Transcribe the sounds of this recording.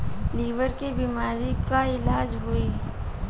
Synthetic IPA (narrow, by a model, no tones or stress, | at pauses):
liːʋəɾkebiːmaːɾikaɪlaːd͡ʒɦʊiː